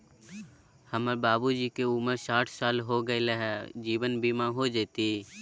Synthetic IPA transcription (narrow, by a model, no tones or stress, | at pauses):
həməɾbaːbud͡ʒiːkeuməɾsaːʈʰsaːlɦoɡəeleɦɛd͡ʒiːʋənbʱiːmãɦod͡ʒeːt̪i